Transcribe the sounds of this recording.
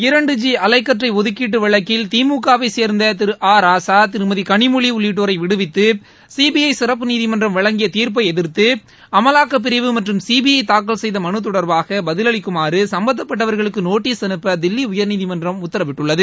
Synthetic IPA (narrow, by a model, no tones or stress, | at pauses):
ɪɾɐɳɖɯd͡ʒiɐlɐɪkːɐʈrɐɪɔðɯkːiːʈ̬ːɯʋɪɭɐkːɪlt̪iːmuːkaːʋɐɪseːɾnd̪ɐt̪ɪɾɯʔaːɾaːsaːt̪ɪɾɯmɐðikɐɳɪmʊɭiʊɭːiːʈ̬ːoːɾɐɪʋɪɽɯʋɪt̪ːɯ | siːbijɐɪsɪɾɐp̬ːɯniːðimɐndrɐmʋɪɭɐŋɡɪjɐt̪iːɾp̬ɐɪɛðɪɾt̪ɯ | ɐmɐlaːkːɐp̬ːɪɾɪʋɯmɐʈrɯmsiːbijɐɪt̪aːkːɐlsɛjðɐmɐnɯt̪̬ːɔɽɐɾbaːɣɐbɐðɪlɐɭɪkːɯmaːɾɯsɐmbɐnd̪ɐpːɐʈːɐʋɐɾɣɐɭɯkːɯnoːʈːiːsɐnɯpːɐd̪ɪlːiʊjɐɾniːðimɐndrɐmʊt̪ːɐɾɐʋɪʈːɯɭːɐðɯ